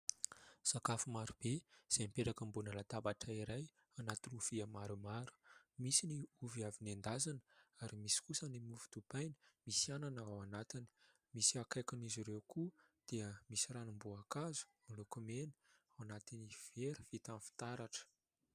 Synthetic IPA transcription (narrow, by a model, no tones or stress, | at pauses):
sakafumaɾub̥ez̥emipeʈ͡ʂakəmbunəlat̪abaʈ͡ʂaiɾaj | anat̪ilufiəmaɾumaɾu̥misiniuviavinend̪azanə̥aɾimisi̥kusənimuvu̥t̪upajnə̥misiananəawanat̪ini̥ | misiakajkuniziɾewku | d̪̥eəmisiɾanambuakazu̥malukumenəawanat̪iniv̥eɾi̥v̥it̪anfi̥t̪aɾaʈ͡ʂə̥